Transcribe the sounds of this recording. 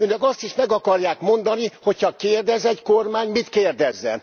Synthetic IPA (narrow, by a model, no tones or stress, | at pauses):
øːnɛkɒst̪iʃmɛɡɒkɒrjaːkmo̞nd̪ɒniho̞chɒkeːrd̪ɛzɛckormaːɲmit̪keːrd̪ɛzːɛ̰n